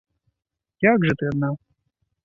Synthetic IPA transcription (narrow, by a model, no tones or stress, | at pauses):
jaɡʐɨt̪ɨad̪̚na